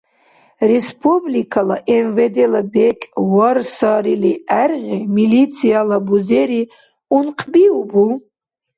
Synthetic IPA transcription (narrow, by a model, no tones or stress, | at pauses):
respʰublikʰalaʔɛnvɛd̪ɛlabɛkʼwarsaɾiliæɾʁimilit̪sʰijalabuzɛɾi | unqʰʼbiubu